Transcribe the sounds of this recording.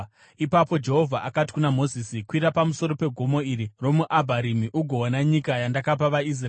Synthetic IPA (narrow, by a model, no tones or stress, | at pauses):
ipapo̞d͡ʒe̞ɦo̞vʱaʔakati̥kunamo̞zisikwiɾapamuso̞ɾo̞pe̞ɡʱomo̞iɾiro̞muʔabʱaɾimiʔuɡʱo̞onaɲikajandakap̬aʋais̬r